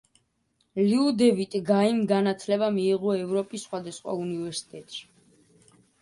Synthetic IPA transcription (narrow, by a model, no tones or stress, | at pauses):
liud̪ɛvit̪ʼɡaimɡanat̪ʰlɛbamiːʁɔɛvɾɔpʼisːχwad̪asχwa̰univɛɾsi̥t̪ʼɛt̪ʼʃi̥